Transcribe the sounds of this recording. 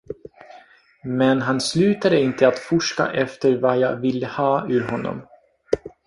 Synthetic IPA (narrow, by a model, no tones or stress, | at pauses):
mɛnɦanslʉ̟ːt̪ad̪əɪnt̪ʰəat̪fʊʂka̰ʔɛft̪əɾvajaːvɪlːəhɑːʉ̟ːɾɦɔnːɔ̰m